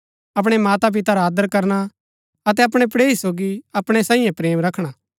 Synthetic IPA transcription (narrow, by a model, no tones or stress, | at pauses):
ɐp̬ɽ̃ɛmaːt̪ap̬ɪt̪aɾaːd̪əɾkɐɾna | ɐt̪̬ɛɐp̬ɽ̃ɛpɽeːisoːɡiɐpɽ̃ɛsãːĩjẽpɾeːmɾɐkʰɽ̃a